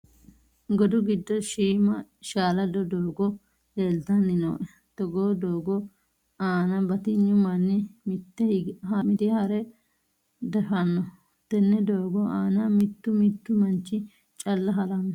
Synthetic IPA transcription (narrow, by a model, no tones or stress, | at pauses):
ɡɔd̪ʊɡɪd̪ːɔʃiːmɐʃaːlɐd̪ɔd̪oːɡɔ | leːlt̪ɐnːɪno̰ː | t̪ɔɡoːd̪oːɡɔ | aːnɐbɐt̪ɪɲːʊmɐnːɛmɪt̪ːɛhɐmɪd̪ɪhɐɾɛ | d̪ɛfɐnːɔ | t̪ɛnːɛd̪oːɡɔaːnɐmɪt̪ːʊmɪt̪ːʊmɐnt͡ʃːɪ | t͡ʃʼɐlːɐɦɐlɐnː